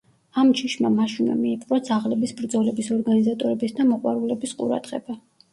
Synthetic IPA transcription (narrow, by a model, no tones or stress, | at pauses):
amt͡ʃʰiʃmamaʃinɛ̰miːpʼqʼɾad̪zaʁlɛbisbɾd̪zɔlɛbisɔɾɡanizat̪ʼɔɾɛbisd̪amɔqʼwa̰ɾulɛbisqʼṵɾa̰d̪ʁɛ̰ba